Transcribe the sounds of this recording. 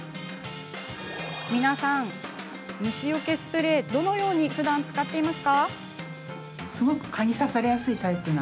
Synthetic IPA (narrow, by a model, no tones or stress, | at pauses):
mʲinasãŋ | mʲiɕijoke̞sɨ̥pɯ̟ɾe̞ːd̪o̞no̞jo̞ːɲ̟iɸɯ̟d̪ãnt͡sɨ̥kat̪ːe̞imasɨ̥ka | sɨɡo̞kɯ̟̥kʰaɲʲisasaɾe̞jasɨit̪aipɯ̟na